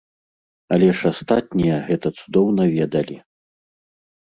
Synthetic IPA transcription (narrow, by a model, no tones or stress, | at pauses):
ɐlʲɛʂast̪at̪̚ʲnʲijɐɣɛt̪ɐt̪sud̪ɔwnɐvʲɛd̪ɐlʲi